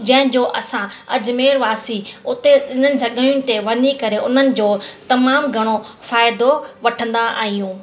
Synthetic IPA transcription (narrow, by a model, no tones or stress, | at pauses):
d͡ʑɐ̃ɦɪ̃d͡ʑoːʔɐsãɐd͡ʑmeːɾʋaːsiʊt̪eɗɪn̤ənɪ̆d͡ʑʱɐɠəijʊnɪ̆t̪eʋɐnikɐɾeʊn̤ənɪ̆d͡ʑoːt̪ɐmaːmɡʱɐɽ̃ofaːɪd̪oʋɐʈʰə̃nd̪aa̰ːɦijũː